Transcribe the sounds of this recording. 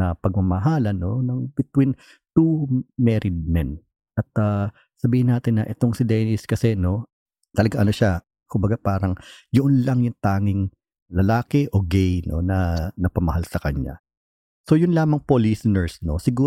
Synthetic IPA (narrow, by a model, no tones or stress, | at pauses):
ɐpɐɡ̚mɐmɐɦaːlɐno̞nɐŋbɪt̪win | t̪umɛɾɪd̪̚mɛn | ʔɐt̪a | sɐbiːhɪnːaːt̪ɪnːɐʔɛt̪o̞ŋsɪd̪ɛnɪskɐsɛno̞ | t̪ɐlɐɡaʔɐno̞ʃa | kʊmbɐɡapaːɾɐŋjoʔʊnlɐŋjʊŋt̪aːŋɪŋ | lɐlaːkɛʔo̞ɡɛjno̰nɐnɐpɐmɐhalsɐkɐɲa̰ | so̞jʊnlaːmɐŋpolisɪnɛɹsno̞̰sɪɡuː